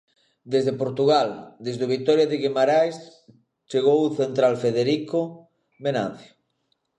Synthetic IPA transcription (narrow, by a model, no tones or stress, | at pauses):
d̪ezðepoɾt̪uɣald̪ezðoβik̚t̪ɔɾjaðeɣemaɾajs | t͡ʃeɣ̞owuθent̪ɾalfeðeɾiko | mena̰n̟θjo̥